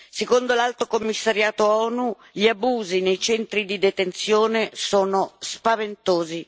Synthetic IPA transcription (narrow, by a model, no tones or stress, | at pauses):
sekond̪olalt̪okomːisːaɾjaːt̪oɔːnu | ʎiabuːzinejt͡ʃɛnt̪ɾid̪id̪et̪ent̪sjoːnesoːnospavent̪oːzi